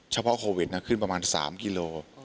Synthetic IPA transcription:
t͡ɕʰa˧pʰɔ˦˥ʔkʰoː˧wi˨˩t̪̚na˦˥kʰɯ˥˩npɾa˧maː˧nsa̰ː˩˦mki˧loː˧

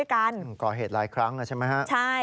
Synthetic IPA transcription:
jka˧n˧˩kɔː˨˩ɦeː˨˩t̪̚laː˨˦jkʰɾa˦˥ŋa˧˩t͡ɕʰa˥˩ma˦˥kʰa˦˥ʔt͡ɕʰa˥˩

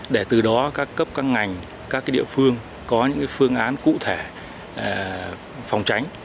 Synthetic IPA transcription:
ɗe˧˩t̪ɨ˨˩ɗɔ˨˦kaː˦˥kːə˦˥p̚kaː˧ŋŋa˨˩jŋ̟ | kaː˦˥k̚ːaː˨˦ɗḭ˧˨əfɨ˧əŋ | kɔ˨˦ɲɨ̰˧˥ŋkaː˨˦jfɨ˧əŋʔaː˨˦nkṵ˧˨t̪ʰe˧˩˨ | fa˨˧wŋ͡mt͡ɕa˨˦jŋ̟

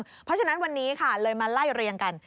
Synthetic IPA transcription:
ŋpʰɔ˦˥t͡ɕʰa˧na˦˥nwa˧nːiː˦˥kʰa˥˩lɤː˧jmaː˧la˥˩jɾi˧ənka˧n

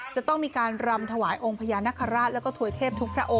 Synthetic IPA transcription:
t͡ɕa˨˩t̪ɔ˥˩ŋmiː˧kaː˧nɾa˧mt̪ʰa˧waː˩˦jʔo˧ŋpʰa˧jaː˧na˦˥kʰːa˧ɾaː˥˩t̪lɛ˦˥wkɔː˥˩t̪ʰu˧əjt̪ʰeː˥˩p̚t̪ʰu˦˥k̚pʰɾa˦˥ʔo˧

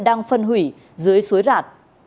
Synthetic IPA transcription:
ɗaː˧ŋfə˧nɦwi˧˩ | zɨ˨˦əjsu˨˦jzaː˨˩t̚

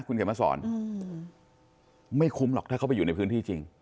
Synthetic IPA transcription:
kʰu˧nkʰːmaː˧˩sɔ̰ː˩˦n | ma˥˩jkʰu˧˦˥mlɔ˨˩t̪ʰaː˥˩kʰa˦˥˩p̬a˧juː˨˩na˧jpʰɯː˦˥nʰiː˥˩t͡ɕi˧ŋ

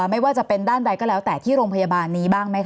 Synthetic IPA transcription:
ma˥˩jwaː˥˩t͡ɕa˨˩pe˧ndaː˥˩nda˧jkɔː˥˩lɛː˦˥wt̪ɛː˨˩t̪ʰiː˥˩ɾoː˧ŋpʰa˧ja˧baː˧nːiː˦˥baː˥˩ŋma˦˥jkʰ

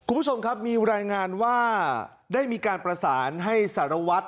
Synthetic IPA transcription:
ku˧nmbʰu˥t͡ɕʰo˧mkʰa˦˥p̚miː˧ɾaː˧jŋaː˧nwaː˥˩ | daː˥˩jmiː˧kaː˧npɾa˧saː˩˦nɦa˥˩jsa˩˦ɾa˧wa˦˥t̪̚

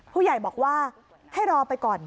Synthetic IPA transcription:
pʰuː˥˩ja˨˩jbɔː˨˩k̚waː˥˩ | ha˥˩jɾɔː˧pa˧jkɔː˨˩n

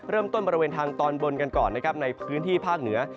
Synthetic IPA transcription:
ɾɤː˥˩mt̪o˥˩nbɔː˧ɾi˧weː˧nt̪ʰaː˧ŋt̪ɔː˧nbo˧nka˧nkɔ̰ː˨˩nːa˦˥kʰa˦˥p̚na˧jpʰɯː˦˥nt̪ʰiː˥˩pʰaː˥˩k̚nɯ˩˦ɐ

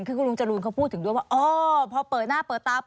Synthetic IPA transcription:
ŋkʰɯː˥˩ku˧˥˩lu˧ŋt͡ɕa˧luː˧nkʰa˥˩wpʰuː˥˩t̪ʰːɯ˩˦du˧˩əwaː˥˩ʔɔː˧pʰɔː˧pɤː˨˩t̪̚naː˥˩pɤː˨˩t̪ːaː˧

